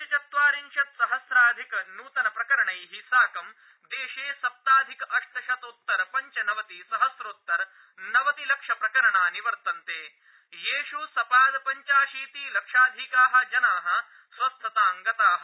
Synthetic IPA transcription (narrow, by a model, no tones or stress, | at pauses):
ɐt͡ʃɐt̪ʋaːɾinʃɐt̪sɐɦɐsɾaːd̪ʱikɐnuːt̪ɐnɐpɾɐkɐɾɐɳɐjɦisaːkɐm | d̪eːʃeːsɐp̚t̪aːd̪ʱikɐʔɐʂt̪ʰɐʃɐt̪ut̪ːɐɾpɐɲt͡ʃɐnɐʋɐt̪isɐɦɐsɾoːt̪ːɐɾ | nɐʋɐt̪ilɐkʂɐpɾɐkɐɾɐɳaːniʋɐɾt̪ɐnt̪eː | jeːʃusɐpaːd̪ɐpɐɲt͡ʃaːʃiːt̪ilɐkʂaːd̪ʱikaːɦɐ̆d͡ʒɐnaːɦɐ̆ | sʋɐst̪ʰɐt̪aːŋɡɐt̪aːɦɐ